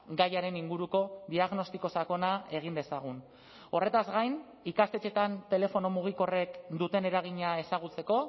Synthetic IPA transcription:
ɡajaɾe̞niŋɡuɾuko̞d̪iaɣno̞st̪iko̞sako̞nae̞ɣ̞ind̪e̞saɣ̞un | o̞re̞t̪azɡajn | ikast̪e̞t͡ʃe̞t̪ant̪e̞le̞fo̞no̞muɣ̞iko̞re̞kd̪ut̪e̞ne̞ɾaɣ̞iɲae̞saɣ̞ut͡se̞ko̞

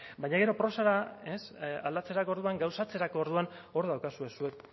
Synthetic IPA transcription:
bajɲaɣ̞e̞ɾo̞pɾo̞saɾaesa̰ld̪at͡se̞ɾako̞ɾðuaŋɡawsat͡se̞ɾako̞ːɾðuan | o̞ɾðawkasue̞sue̞k

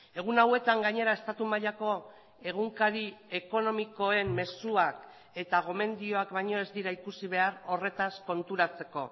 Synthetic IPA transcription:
e̞ɣ̞unawe̞t̪aŋɡaɲe̞ɾae̞st̪at̪umaʎako̞ | e̞ɣ̞uŋkaɾie̞ko̞no̞miko̞e̞mme̞suak | e̞t̪aɣ̞o̞me̞nd̪io̞akbajɲo̞e̞zd̪iɾaikusiβ̞e̞aɾo̞re̞t̪asko̞nt̪uɾat͡se̞ko̞

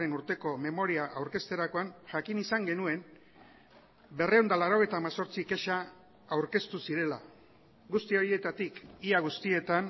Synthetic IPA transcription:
enuɾt̪e̞ko̞me̞mo̞ɾiaʔawɾke̞st̪e̞ɾako̞anʝakinisaŋɡe̞nue̞m | be̞reond̪alaɾo̞ɣejt̪aːmaso̞ɾt͡sike̞ʃa | awɾke̞st̪usiɾe̞la | ɡust̪io̞ɾie̞t̪at̪ikiaɣust̪ie̞t̪an

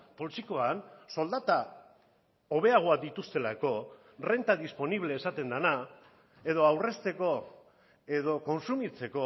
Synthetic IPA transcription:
po̞lsiko̞anso̞ld̪at̪a | oβ̞e̞aɣ̞oak̚d̪it̪ust̪e̞lako̞ | re̞nt̪aðispo̞niβle̞ːsat̪e̞nd̪ana | e̞ðo̞awre̞st̪e̞ko̞ | e̞ðo̞ko̞nsumit͡se̞ko̞

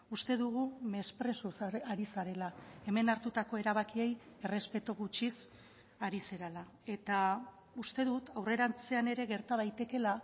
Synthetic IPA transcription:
ust̪e̞ðuɣume̞spɾe̞susaɾisaɾe̞lae̞me̞naɾt̪ut̪ako̞e̞ɾaβ̞akie̞je̞re̞spe̞t̪oɣut͡ʃis | aɾise̞ɾala | e̞t̪a | ust̪e̞ðut̪awre̞ɾant͡se̞ane̞ɾe̞ɣe̞ɾt̪aðajt̪e̞ke̞la

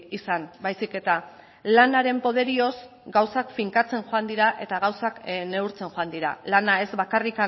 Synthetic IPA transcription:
isanbajsike̞t̪a | lanaɾe̞mpo̞ð̞e̞ɾio̞z | ɡawsakfiŋkat͡se̞nʝoand̪iɾaʔe̞t̪aɣawsakne̞uɾt͡se̞nʝoand̪iɾa̰lanae̞zβakarika

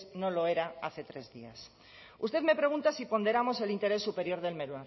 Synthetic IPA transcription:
no̞lo̞e̞ɾaaθe̞t̪ɾe̞zðia̰s | ust̪e̞ðme̞pɾe̞ɣ̞ũnt̪asipo̞nd̪e̞ɾamo̞se̞lint̪e̞ɾe̞sːupe̞ɾjo̞ɾðe̞lmeɾwan

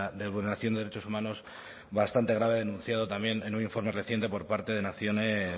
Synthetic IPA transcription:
d̪ezβulneɾaθjnd̪e̞ɾet͡ʃo̞sumãno̞s | βast̪ant̪eɣɾaβeðe̞nũn̟θjaðo̞t̪amje̞nenunĩɱfo̞ɾme̞re̞θje̞nt̪e̞po̞ɾpaɾt̪e̞ðe̞naθjo̞ne

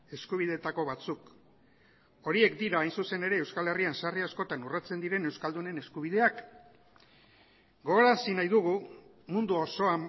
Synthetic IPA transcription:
e̞skuβ̞ið̞e̞t̪ako̞βat͡suk | o̞ɾie̞kd̪iɾaːjnsuse̞ne̞ɾe̞ːwskale̞riansariasko̞t̪anurat͡se̞nd̪iɾe̞ne̞wskald̪une̞ne̞skuβið̞e̞ak | ɡo̞ɣoɾasinajðuɣ̞u | mund̪uoso̞am

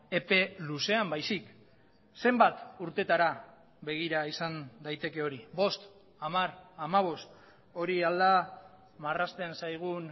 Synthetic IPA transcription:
e̞pe̞luse̞ambajsik | se̞mbat̪uɾt̪e̞t̪aɾa | βe̞ɣ̞iɾaisand̪ajt̪e̞ke̞o̞ɾibo̞st̪ | amaɾamaβ̞o̞st̪ | o̞ɾiald̪a | marast̪e̞nsajɣ̞un

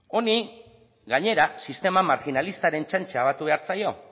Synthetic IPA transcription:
o̞ni | ɡaɲe̞ɾasist̪e̞mamaɾxinalist̪aɾe̞nt͡ʃant͡ʃeaβ̞at̪uβe̞aɾt͡sajo̞

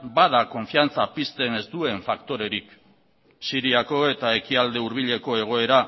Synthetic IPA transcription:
bað̞ako̞ɱfiant͡sapist̪e̞ne̞zt̪ue̞ɱfakt̪o̞ɾe̞ɾik | siɾiako̞e̞t̪ae̞kiald̪e̞uɾβ̞iʎe̞ko̞e̞ɣ̞o̞e̞ɾa

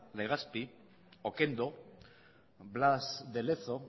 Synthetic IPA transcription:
leɣ̞aspi | okend̪o | blasd̪eleθo

